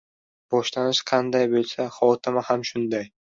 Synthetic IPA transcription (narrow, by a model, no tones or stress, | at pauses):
b̥ɒʃlanɪʃqʰɑnd̪ajbolˠsaχɒt̪ʰɪmahamʃʊnd̪aj